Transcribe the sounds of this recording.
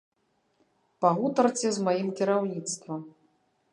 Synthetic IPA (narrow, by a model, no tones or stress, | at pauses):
paɣut̪ɐrt͡sʲɛzmajimkʲiɾawnʲit̪st̪vɐm